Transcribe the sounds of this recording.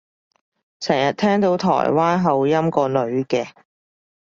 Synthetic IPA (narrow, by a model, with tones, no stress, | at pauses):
t͡sʰɛː˨˩ŋjɐ˨t̚t̪ʰɛː˥ŋt̪o˨˥wt̪ʰɔ̰ː˨˩jwaː˥nɦɐ˨wjɐ˥mkɔː˧lɵ˨˧ɥkɛː˧